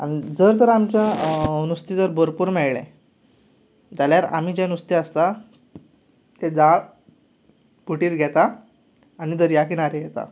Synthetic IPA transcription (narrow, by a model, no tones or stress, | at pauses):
a̰nid͡zəɾt̪əɾamt͡ɕjanust̪id͡zəɾbəɾpuːɾmɛɭɭẽ | d͡zaljaɾa̰m̤id͡ʑẽnust̪iəst̪a | t̪ed͡za | puʈiːɾɡʱɛt̪aː | ñid͡zəɾjak̬inaɾejɛt̪a̰